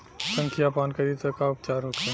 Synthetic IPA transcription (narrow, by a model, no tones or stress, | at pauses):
sə̃ŋkʰijapaːnkɐɾit̪ɐkaʊp̚t͡ʃaːɾɦokẽ